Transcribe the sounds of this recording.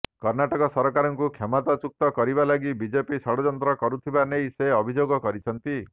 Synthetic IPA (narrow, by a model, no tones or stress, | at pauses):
kɔɾnaʈɔkɔsɔɾɔkaɾɔŋkukʰjamɔt̪at͡ʃuk̚t̪ɔkɔɾibalaɡibid͡ʒepisɔɽɔd͡ʒɔnt̪ɾɔkɔɾut̪ʰibanejseɔbʱid͡ʒoɡɔkɔɾit͡ʃʰɔnt̪i